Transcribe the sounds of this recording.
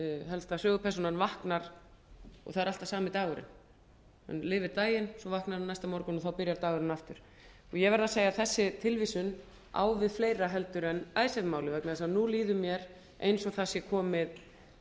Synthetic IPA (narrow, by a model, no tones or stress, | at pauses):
ɦɛlst̪asœːɣʏpʰɛɾrsɔnanvahknaɾ̥ | ɔ̰θaðɛɾal̥t̪asaːmɪt̪aːɣʏɾɪ̰n | ɛ̰nlɪːvɪɾt̪aːjɪnsɔvahknaɾanajst̪amɔɾkʏnɔθawpɪɾjaɾt̪aːɣʏɾɪnaft̪ʏɾ̥ | ɔjɛvɛɾðaseːjaθɛsːɪt̪ʰɪlviːsʏn | a̰wvɪðfleːjɾaɦɛl̪t̪ʏɾɛnaːjsɛðmaːwlɪvɛknaðɛsanuliːðʏmjɛɾ | ḛjnsɔɣθasjɛkʰɔːmɪð